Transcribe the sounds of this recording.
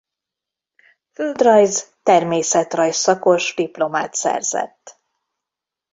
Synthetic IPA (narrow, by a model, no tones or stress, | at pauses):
føld̪rɒjzt̪ɛrmeːsɛt̪rɒjsːɒko̞ʒd̪iplo̞maːt̪sɛ̰rz̥ɛ̰t̪ː